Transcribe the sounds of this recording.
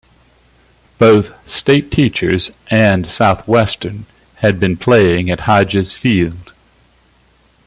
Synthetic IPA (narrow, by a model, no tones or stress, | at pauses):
b̥oʊθsteɪtʰit͡ʃə˞zʔɨ̃nsaʊθwɛstə̃˞n | ɨd̚bɨ̃npʰl̥eɪɪ̃ŋɨt̚haɪd͡ʒɨz̥filˠd̥